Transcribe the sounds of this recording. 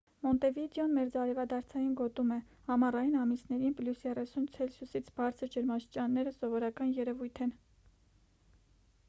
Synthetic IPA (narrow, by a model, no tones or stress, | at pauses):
mɔnt̪ɛvid̪jɔnmɛɾd͡zɑɾɛvɑd̪ɑɾt͡sʰɑjinɡɔt̪umɛ | hɑmɑrɑjinɑmisnɛɾinpljusjɛrɛsunt͡sʰɛlsʰjusit͡sʰb̥ɑɾt͡sʰəɾd͡ʒəɾmɑʃt͡ʃɑnːɛɾəsɔvɔɾɑkɑnjɛɾɛvujt̪ʰɛn